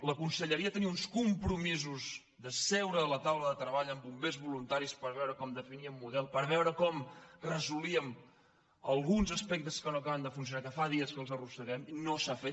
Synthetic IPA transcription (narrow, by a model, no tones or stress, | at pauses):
ləkunsəʎəɾiəat̪əniunskumpɾumizuz | ðəsɛwɾəːlət̪awləðət̪ɾəβaʎəmbumbezβulunt̪aɾispəɾβɛwɾəkɔmd̪əfiniəmːuðɛlˠpəɾβɛwɾəkɔmrəzuliəm | əlˠɣunzəspɛk̚t̪əskənoəkaβənd̪əfunsiunakəfaðiəskəlˠzərusəɣɛminosafet̪̚